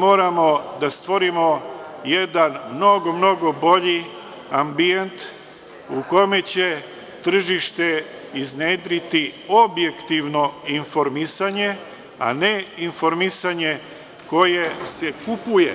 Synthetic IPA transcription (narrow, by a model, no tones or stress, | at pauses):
mo̞ːɾamo̞d̪ast̪ʋo̞ɾimo̞jed̪anmno̞ɡo̞mno̞ɡo̞bo̞ʎi | ambient̪ | uko̞me̞t͡ɕe̞ | t̪r̩ʒiʃt̪e̞ | izneːd̪ɾit̪iobje̞kt̪iʋno̞info̞ɾmisaɲe̞ | a̰neinfo̞ɾmisaɲe̞ | ko̞je̞sekupujḛ